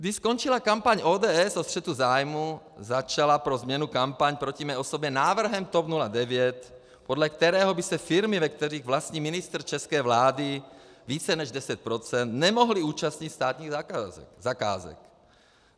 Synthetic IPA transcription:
ɡd̪iʃskont͡ʃilakampaɲʔoːdɛːɛsost̪r̥ɛt̪uzaːjmu | zat͡ʃalapɾozmɲɛnukampaɲpɾo̞cimɛʔo̞sobɲɛnaːvr̩ɦɛmt̪opnuladɛvjɛt̪ | podlɛkt̪ɛɾɛːɦobisɛfɪɾmivɛk̚t̪ɛriːɣvlast̪ɲiːmɪnɪst̪r̩t͡ʃɛskɛːvlaːdi | viːt͡sɛnɛʒdɛsɛt̪̚pɾo̞t͡sɛnt̪nɛmo̞ɦliuːt͡ʃast̪ɲit̪st̪aːt̪ɲiːzaka̰ːzɛ̰k

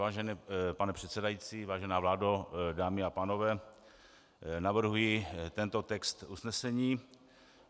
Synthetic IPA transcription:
aːʒɛnɛpanɛpr̝̥ɛt̪sɛdajiːt͡siːvaːʒɛnaːvlaːdodaːmɪapaːno̞vɛː | navr̩ɦujɪt̪ɛnt̪o̞t̪ɛkst̪usnɛsɛɲiː

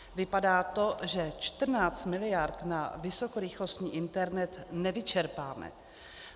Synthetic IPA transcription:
vɪpadaːt̪o̞ʒɛt͡ʃt̪r̩naːt͡st̪mɪlɪjaɾt̪navɪso̞koɾɪxlo̞st̪ɲiːʔɪnt̪ɛɾnɛt̪nɛvɪt͡ʃɛɾpaːmɛ̰

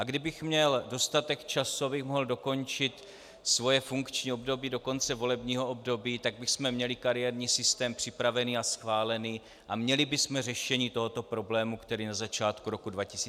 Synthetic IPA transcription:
ʔaɡdɪbɪxmɲɛldo̞st̪at̪ɛkt͡ʃasuabɪxmoɦldo̞ko̞nt͡ʃɪt̪ | svo̞jɛfuŋkt͡ʃɲiːo̞bdo̞biːdo̞ko̞nt͡sɛvo̞lɛbɲiːɦo̞ʔobdo̞biːt̪aɡ̚bɪxsmɛmɲɛlɪkaɾɪjɛɾɲiːsɪst̪ɛːmpr̥ɪpɾavɛniːasxvaːlɛniː | ʔamɲɛlɪbɪsmɛrɛʃɛɲiːt̪o̞ɦo̞t̪o̞pɾo̞blɛːmukt̪ɛɾiːnazat͡ʃaːt̪kuɾo̞kudvacɪsiː

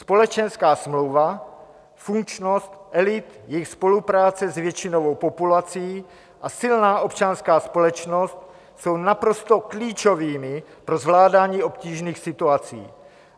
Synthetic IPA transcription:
spo̞lɛt͡ʃɛnskaːsmlowva | fuŋkt͡ʃnost̪ʔɛlɪt̪jɛxspo̞lupɾaːt͡sɛzvjɛt͡ʃinovowpopulat͡sijiː | ʔasɪlnaːʔo̞pt͡ʃanskaːspo̞lɛt͡ʃnost̪ | so̞wnapɾo̞st̪okliːt͡ʃoviːmɪpɾozvlaːdaːɲiːʔo̞pciːʒniːxsɪt̪uat͡sḭː

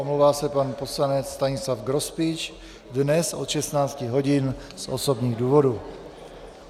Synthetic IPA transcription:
omlowvaːsɛpanpo̞slanɛt͡sst̪aɲɪslafɡɾospɪt͡ʃ | dnɛsʔot̪ʃɛst̪naːt͡scɪɦo̞ɟɪn | sʔo̰sobɲiːɣduːvodu

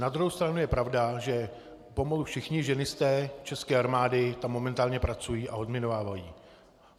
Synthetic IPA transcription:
nad̪ɾuɦowst̪ɾanujɛpɾavdaʒɛ | po̞malufʃɪxɲɪʒɛnɪst̪ɛːt͡ʃɛskɛːaɾmaːdɪt̪amːo̞mɛnt̪aːlɲɛpɾat͡sujiːʔaodmjɛnovaːvajiː

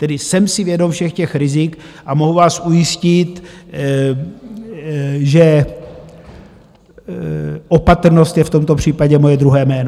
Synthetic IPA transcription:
t̪ɛdɪsɛmsɪvjɛdomfʃɛxcɛxɾɪzɪkʔamo̞ɦuvaːsʔujɪscɪt̪ | ʒɛ | ʔo̞pat̪r̩no̞st̪jɛft̪o̞mt̪opr̝̥iːpaɟɛmo̞jɛd̪ɾuɦɛːmɛːno

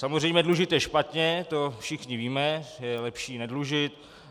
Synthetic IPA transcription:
samozrɛjmɲɛdluʒɪt̪jɛʃpat̪ɲɛt̪ofʃɪxɲɪviːmɛjɛlɛpʃiːnɛdluʒɪt̪̚

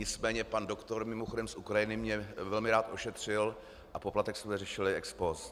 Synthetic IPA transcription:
ɲɪt͡smɛːɲɛpandokt̪o̞ɾmɪmoxodɛmsʔukɾajɪnɪmɲɛvɛlmɪɾaːt̪ʔo̞ʃɛt̪r̝̥ɪl | ʔapo̞plat̪ɛksmzɛrɛʃɪlɪʔɛkspos

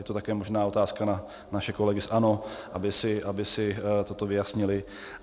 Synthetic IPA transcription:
jɛt̪ot̪akɛːmoʒnaːo̞t̪aːskana | naʃɛko̞lɛɡɪsʔano̞ʔabɪsɪʔabɪsɪt̪ot̪o̞vɪjasɲɪlɪ

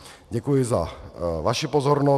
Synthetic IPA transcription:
ɟɛkujɪza̰vaʃipozɔɾnɔ

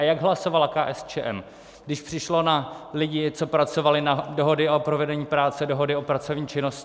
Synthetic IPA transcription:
ajaɡɦlaso̞valakaːʔɛst͡ʃɛːʔɛm | ɡdɪʃpr̥ɪʃlo̞nalɪɟɪt͡so̞pɾat͡so̞valɪnado̞ɦo̞dɪʔo̞pɾovɛdɛɲiːpɾaːt͡sɛdo̞ɦo̞dɪo̞pɾat͡sovɲiːt͡ʃɪno̞scɪ

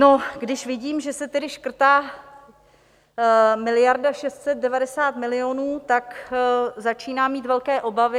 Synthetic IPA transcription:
noɡdɪʃvɪɟiːmʒɛsɛt̪ɛdɪʃkr̩t̪aː | mɪlɪjaɾdaʃɛst̪sɛt̪̚dɛvadɛsaːt̪mɪlɪonuːt̪ak | zat͡ʃiːnaːmiːt̪vɛlkɛːʔo̞bavɪ

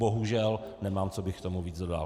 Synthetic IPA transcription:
boɦuʒɛlnɛmaːmt͡sobɪxkt̪omuviːd͡zdoda̰ːl

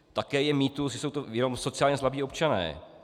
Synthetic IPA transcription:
t̪akɛːjɛmiːt̪usɪso̞wt̪ojɛno̞mso̞t͡sɪjaːlɲɛslabiːo̞pt͡ʃanɛ̰ː

